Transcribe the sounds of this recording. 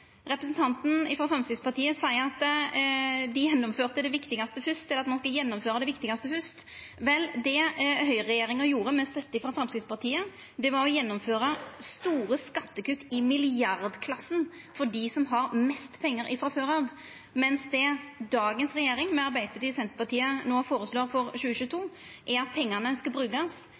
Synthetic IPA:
ɾɛpɾəsnt̪ʰɑnt̪n̩ɪfɾɑfɾɛmskɾɪt̪spɑʁt̪ʰiːəsɑɪɑt̪ | d̪ɪjɛnːɔmføːʁt̪əd̪ɛʋɪkt̪ɪɡɑst̪əfʉst̪ɛlːɾɑt̪mɑnskɑljɛnːɔmføːɾɑd̪ɛʋɪkt̪ɪɡɑst̪əfʉst̪ | ʋɛld̪ɛɦœʏɾɛjeːɾɪŋəɾjuːɾəmɛst̪œt̪ːəɪfɾɑfɾɛmskɾɪt̪spʰɑɾt̪ʰiːə | d̪ɛʋɑɾɔjɛnːɔmføːɾɑst̪uːɾəskɑt̪ːəkʉt̪ːɪmɪlɪɑɾd̪kʰlɑsːən | fɔɖɪsɔmɦɑɾmɛst̪pʰɛŋːəɾɪfɾɑføːɾɑːʋ | mɛnsd̪ɛd̪ɑːɡənsɾɛjeːɾɪŋmɛɑɾbæɪd̪əbət̪ʰyːsɛnt̪əpɑt̪ʰiːənoːfoːɾəsloːɾfɔɾɕʉːəɕʉːt̪ʰuːʔɛɾɑt̪̚pʰɛŋːɑnəskɑbɾʉːɡɑs

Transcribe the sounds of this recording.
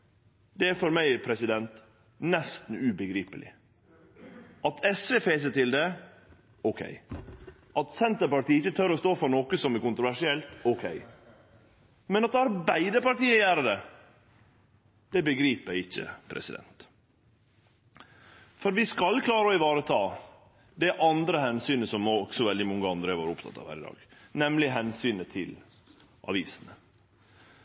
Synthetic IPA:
d̪̥ɛæɾfɔɾmæɪpʰɾɛsɪd̪ɛnt̪ | nɛst̪n̩ʉbəɡɾiːpəlɪ̰ | ɑt̪ʰɛsʋefeːs̬ət̪ɪld̪ɛ | ɔkʰɛ̰ɪ | ʔɑt̪sɛnt̪əɾpɑʈiːɪçːət̪ʰœɾɔst̪oːfɔɾnoːkəsɔmɛkʊnt̪ɾʊʋæʂɪɛlt̪ɔkʰḛɪ | mɛnɑt̪̚d̪ɑɾbæɪd̪əpɑɾʈiːjæːɾəd̪ɛ | d̪̥ɛbəɡɾiːpæɪɪçːə̰pʰɾɛ̰sɪd̪ɛ̰nt̪ | fɔɾʋɪskɑlkʰlɑːɾəɔɪʋɑːɾət̪ʰɑː | d̪ɛʔɑnd̪ɾəhɛnsyːnəsɔmɔɡsɔʋɛld̪ɪmɔŋːəɑnd̪ɾəʋɑːɾʊpt̪ʰɑ̰t̪ːɑ̰ʋhæ̰ɾɪd̪ɑ̰ːɡ̥nɛmlɪɦɛnsyːnət̪ʰɪ̰l | ʔɑ̰ʋḭːsənə

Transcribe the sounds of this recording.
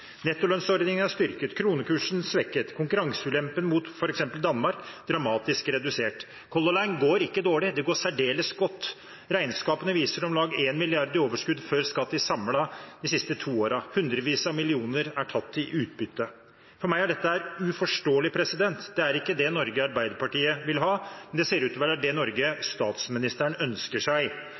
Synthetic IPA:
nɛt̪ːɔlœnsɔɾd̪nɪŋənɑʂst̪ʏɾkət̪kʰɾuːnəkʉːʂn̩sʋɛkːət̪kʰʊŋkʉɾɑŋsəʉlɛmpənmut̪fɔɾɛksɛmpəld̪ɑnmɑɾkd̪ɾɑmɑːt̪ɪskɾɛd̪ʉseːʈ | kʰɔlːɔlæɪnɡoːɾɪkːəd̪oːɭɪd̪ɛɡoːsæɖeːləsɡɔt̪ː | ɾæɪnskɑːpənəʋiːsəɾɔmlɑːɡeːnmɪlɪɑɾd̪əɾoːʋəʂkʉd̪føɾskɑt̪ːəsɑmlɑd̪ɪsɪst̪ət̪ʰuːoːɾɑhʉnd̪ɾəʋiːsɑmɪlɪuːnəɾæʈʰɑt̪ːɪʔʉːt̪̚bʏt̪ːə | fɔɾmæɪæɖɛt̪ːəæɾʉfɔʂʈoːəlɪpʰɾɛsɪd̪ɛnt̪d̪ɛæɾɪkːəd̪ɛnɔɾɡəɑɾbæɪd̪əpɑʈiːəʋɪlɦɑːmɛnd̪ɛseːɾʉːt̪ɔːʋɛɾɑt̪̚d̪ɛnɔɾɡəst̪ɑːt̪smɪnɪst̪əɳœnskəʂæɪ

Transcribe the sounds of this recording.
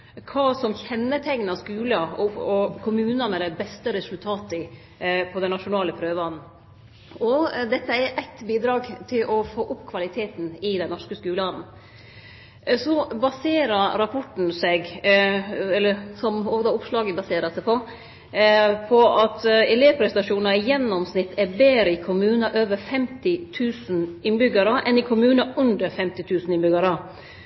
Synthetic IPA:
kʰɑːsɔmçɛnːət̪ʰɛŋnəɑskʉːləɔɔkʰʊmʉːnɑnəd̪ɛbɛst̪əɾɛsʉlt̪ʰɑːt̪ɪ | pʰɔd̪ɛnɑʂʊnɑːləpʰɾøːʋɑnn̩ | ɔd̪ɛt̪ːəɛɾʔæɪt̪biːd̪ɾɑːɡt̪ʰɪlʔɔfoːʔʊpːkʰʋɑlɪt̪ʰeːt̪n̩ɪd̪ɛnnɔʂkəskʉːlɑnn̩ | sɔbɑseːɾəɾɾɑpʰɔʈn̩sɛɡ | ɛlːəɾsɔmoːɡd̪ɑːʊpʂlɑːɡəbɑseːɾəsɛpʰɔ | pʰɔɑt̪ɛleːʋpʰɾɛsnɑʂuːnɑɪjɛnːɔmsnɪt̪ʰːɛbeːɾəɪkʰʊmʉːnɑʔøːʋəɾfɛmt̪ɪt̪ʰʉːsn̩ɪnbʏɡɑɾəʔɛnɪkʰʊmʉːnɑʉnd̪əɾfɛmt̪ɪt̪ʰʉːsn̩ɪnbʏɡɑɾə

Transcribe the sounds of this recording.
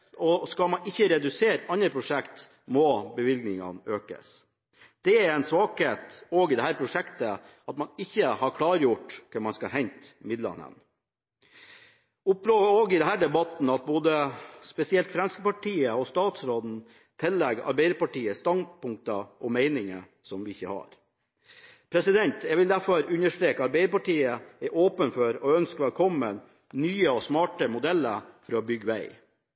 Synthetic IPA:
ɔskɑlmɑnɪçːəɾɛd̪ʉseːɾɑnəpʰɾʊʂɛkt̪ | mɔbəʋɪlɡnɪŋɑ̰nøːkə̰s | d̪̥ɛæɾɛɪnsʋɑːkheːt̪ɔɡɪd̪ɛhæːɾpʰɾʊʂɛkt̪ə | ɑt̪mɑnɪçːəhɑɾkʰlɑːɾjʊʈːkʰəɾmɑnskɑɦɛɲt̪mɪd̪lɑ̰nə̰n | ʊplooːɡɪd̪ɛnɦæːɖ̪ɛbɑt̪n̩ɑt̪̚boːd̪əspɛsɪɛlt̪fɾɛmskəpɑʈʰiːəɔst̪ɑːt̪sɾoːd̪n̩ | t̪ʰɛlːɛɡɑ̰ɾbæɪd̪əɾpɑʈiːəst̪ɑnpʊŋk̚t̪ɑʔɔmeɪnɪŋə̰ | sɔmʋɪɪçːəhɑ̰ɾ | pʰɾɛsɪd̪ɛnt̪jɛɡʋɪld̪æɾfɔɾʉnəʂʈɾeːkəɑɾbæɪəpɑʈiːəæɾʔoːpənfɔɾɔœnskʋælkʰɔmːən | nyːəɔsmɑːʈəmʊd̪ɛlːəfɔɾɑɔbʏɡːəʋæɪ

